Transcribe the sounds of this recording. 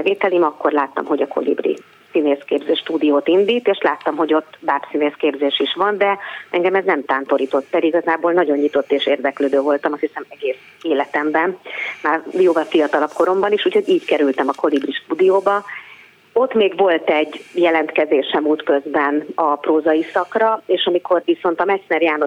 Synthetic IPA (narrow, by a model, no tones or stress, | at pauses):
ɛveːt̪ɛlimɒkːorlaːt̪ːɒ̰mɦo̞ɟɒko̞̰lḭbrḭ | sineːskeːbzeːʃt̪uːd̪ijoːt̪ind̪iːt̪eːʃlaːt̪ːɒmɦo̞ɟo̞t̪ːbaːpsineːskeːbzeːʃiʃʋɒnd̪ɛɛŋɡɛmɛznɛmt̪aːnt̪o̞ɾiːt̪o̞t̪ːɛliɡɒzaːboːlnɒɟo̞ɲɲit̪o̞t̪ːeːʃeːrd̪ɛkløːd̪øːvo̞lt̪ɒmɒsisɛmɛɡeːs | eːlɛt̪ɛmbɛnmaːrijoːvɒlfijɒt̪ɒlɒpko̞ɾo̞mbɒniʃuːcho̞ɟiːckɛɾylt̪ɛmɒko̞libriʃt̪uːd̪ijoːbɒ | o̞t̪ːmeːɡvo̞lt̪ɛɟːjɛlɛnt̪kɛzeːʃɛmuːt̪kø̞zbɛnɒproːzɒjisɒkrɒeːʃɒmiko̞rʋiso̞nt̪ɒmɛsnɛrjaːno